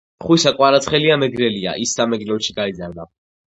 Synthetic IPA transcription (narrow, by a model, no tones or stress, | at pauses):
χwisakʼwaɾat̪sʰχɛliamɛɡɾɛlia̰ʔisːamɛɡɾɛlʃiɡaid̪zaɾd̪a